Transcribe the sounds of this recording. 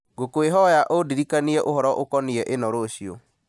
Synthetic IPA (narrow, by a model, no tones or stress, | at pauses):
ɡokoeɦɔjaʔodiɾikaniɛʔoɦɔɾɔʔokɔniɛʔenɔɾoɕio